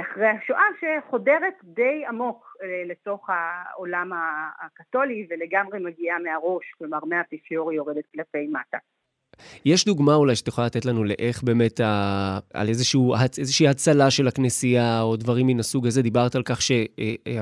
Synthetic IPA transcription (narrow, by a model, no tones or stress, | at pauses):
aχʁejhaʃoʔaʃeχo̞deʁetde̞jamo̞kleto̞χhaolamaːkato̞liveleɡamʁemaɡiameaʁo̞ʃklo̞maʁmeapifioʁijo̞ʁedet̪̚klafe̞jmata | jeʃduɡmaulajʃe̥tjeχolalat̪etlanule̞ʔe̞χbe̞ːme̞taa̰lezeʃuuːhaezeʃiːhat͡salaʃe̞laknesijaodvaʁimːinasuɡaze̞d̪ibaʁt̪alkaχʃe̞